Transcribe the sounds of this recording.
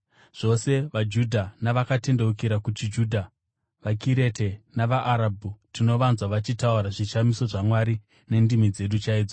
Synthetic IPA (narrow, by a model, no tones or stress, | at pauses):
ʐ̥o̞se̞ʋad͡ʒudʱanaʋakate̞nde̞ukiɾakut͡ʃid͡ʒuːdʱa | ʋakiɾe̞te̞naʋaʔːɾabʱutino̞ʋanzwaʋat͡ʃitauɾaʐiʃamiso̞ʐamwaɾi | ne̞ndimid͡ze̞ɗut͡ʃaiːd͡zo